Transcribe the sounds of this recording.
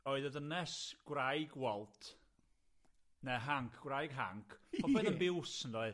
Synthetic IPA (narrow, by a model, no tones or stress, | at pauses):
oːɨðəðənɛsɡ̥wrajɡwɛlˠtʰ | nɛɦaŋkʰɡ̥wrajɡ̥ɦa̰ŋkʰpʰɔbɛðənbɪwsəndoɨð